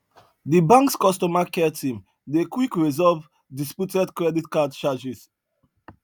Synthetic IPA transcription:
dibãŋkskɔstɔmakɛtʰĩm | dekwikɹizɔv | dispjutɛdkɹɛditkadt͡ʃad͡ʒis

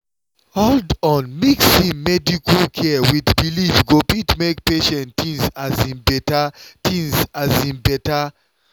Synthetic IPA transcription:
holdɔ̃nmiksĩmmɛdikʰəlkʰɛwiðbilivɡopitmekpeʃɛ̃ntʰĩŋzazĩmbɛtatʰĩŋzazĩmbɛta

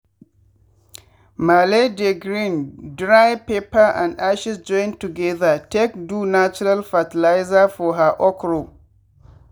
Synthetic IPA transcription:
maledɛɡɾĩndɾajpepaʔã̰ndʔaʃɪsd͡ʒɔ̃jntuɡɛðatekdunat͡ʃʊɾalfatɪlajzafɔɦaʔɔkɾo

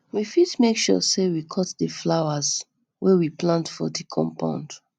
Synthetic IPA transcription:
wifitmekʃɔ̰sewikʰɔtðəflaʊaz | wɛwiplãntfɔ̰dikʰɔ̰̃mpã̰nd

